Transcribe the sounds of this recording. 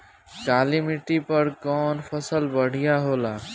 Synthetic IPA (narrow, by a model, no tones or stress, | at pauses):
kaːlimɪʈipəɾkɔːnpʰəsəlbəɽ̤ijaɦoːlaː